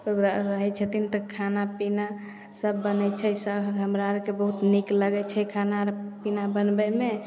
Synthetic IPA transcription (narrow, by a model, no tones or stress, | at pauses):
oɡɾaɾəɦɛt͡ʃʰət̪int̪ɔkʰanapina | səbːənɛt͡ʃʰɛsəɦəmɾaɾkebəɦut̪nikləɡɛt͡ʃʰɛkʰanaɾpinabənbəme